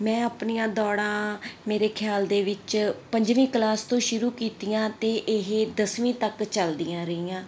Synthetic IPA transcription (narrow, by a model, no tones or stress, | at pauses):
mɛ̃ːəpniːãːd̪ɔːɽãːmeːɾeːkʰjaːld̪eːʋɪt͡ʃpəɲd͡ʒʋĩːklaːst̪õːʃʊɾuːkiːt̪ijãːt̪eːʔɪɦd̪əsʋĩːt̪əkt͡ʃəld̪ɪjãːɾəiːjãː